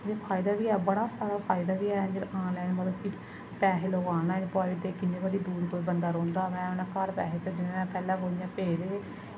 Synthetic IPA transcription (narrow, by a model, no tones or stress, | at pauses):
deːpʰaːɪd̪aːʋiːɛːbəɽaːsaːɾaːpʰaːɪd̪aːʋiːɛːd͡ʒəɾãːnlɛːnmət̪əki | pɛːɦeloːɡaːnaːnpaːit̪eːkɪnːiːbəɽiːd̪uːɾkoːɾbənd̪aːɾõːnd̪aːmɛ̃ːʊnãːkəɾpɛːɦeːt̪eːd͡ʒɪnãːɛ̃ːpɛːlãːɦoːɪjãːpeːɾeː